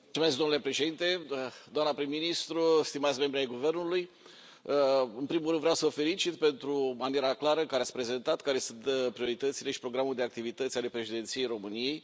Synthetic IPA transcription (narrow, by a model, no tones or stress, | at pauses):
lsumesk̚d̪onule̞pɾeʃe̞d̪int̪e̞d̪oamnəpɾimːinist̪ɾust̪imat̪sʲme̞mbɾiajɡuve̞rnuluj | ɨnpɾimulɾɨnd̪vɾeawsəəfe̞lit͡ʃit̪pe̞nt̪ɾumanieɾaklaɾəkaɾeat̪spɾe̞ze̞nt̪at̪kaɾe̞sunt̪pɾio̞ɾit̪ət̪sile̞ʃi̥pɾo̞ɡɾamuld̪e̞ak̚t̪ivit̪ət̪sʲale̞pɾe̞ʃed̪ent̪sije̞jɾo̞mɨnije̞j